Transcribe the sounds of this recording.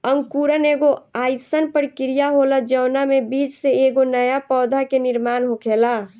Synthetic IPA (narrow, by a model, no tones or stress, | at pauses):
əŋɡkuːɾəneːɡoaːjsənpəɾkɪɾijaɦoːləd͡ʒəːnamebiːt͡ʃseeːɡonəjapɔːd̪ʱakenɪɾmaːnɦokʰeːla